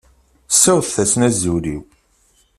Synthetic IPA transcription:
sːæwθθæsnæzːuɾiw

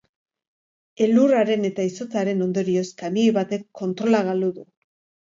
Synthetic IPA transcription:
e̞luraɾe̞ne̞t̪aiso̞t͡saɾe̞no̞nd̪o̞ɾio̞skamijβat̪e̞kʰːo̞nt̪ɾo̞laɣaluðu

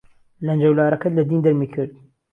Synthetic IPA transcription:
lɐnd͡ʒɐwlaːɾɐkɐlɐd̪iːnd̪ɐɾmiːkʰɨɾd̪

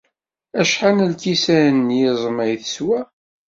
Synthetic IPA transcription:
æʃħanəlkisæənːjɪzˤmæjθə̥swæ

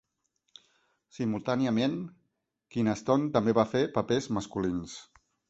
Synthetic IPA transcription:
simulˠt̪aniəmen | kinəst̪ont̪əmbeβafepəpezməskulins

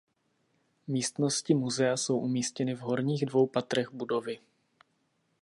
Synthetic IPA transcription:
miːst̪no̞scɪmuzɛaso̞wʔumiːscɛnɪvɦo̞ɾɲiːɣdvo̞wpat̪ɾɛɣbudo̞vɪ

